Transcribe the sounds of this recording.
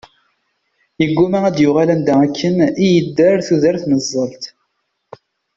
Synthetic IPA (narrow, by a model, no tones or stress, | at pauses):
jəɡʷːumæʁæd̪jʊʁalænd̪æækʰːənijəd̪ːəɾθuðəɾθnəzˤːəlt̪